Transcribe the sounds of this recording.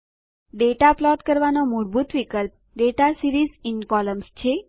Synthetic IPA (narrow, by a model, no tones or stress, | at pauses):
ɖeʈaplɔʈkəɾʋanomuɽbut̪ʋikəlp̚ | ɖeʈasiɾizinkɔləmst͡ʃʰe